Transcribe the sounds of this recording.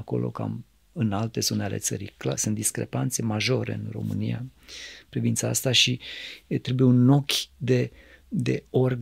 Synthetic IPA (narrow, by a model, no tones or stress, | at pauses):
ako̞̰lo̞̰ka̰m | ɨnalt̪e̞zoneale̞t̪sə̰ɾḭklasɨnt̪d̪iskɾe̞̰pant̪se̞maʒo̞ɾe̞̰ɨnro̞̰mɨnija̰pɾivint̪saa̰st̪aʃit̪ɾe̞buje̞unːo̞kʲd̪e̞ | d̪e̞̰or